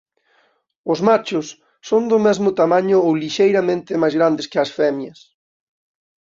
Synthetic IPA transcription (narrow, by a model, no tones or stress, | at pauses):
ʊzmat͡ʃʊsː | ond̪ʊmɛzmʊt̪amãɲʊowliʃejɾamẽnt̪ɪmajzɣɾand̪ɪskɪɐsfɛmjɐs